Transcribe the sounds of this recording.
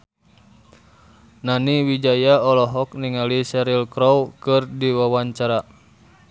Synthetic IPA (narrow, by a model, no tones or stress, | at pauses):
naniwid͡ʒajaɔlɔɦɔk̚niŋalisɛɾilkɾɔwkɨrdiwawaɲt͡ʃaɾa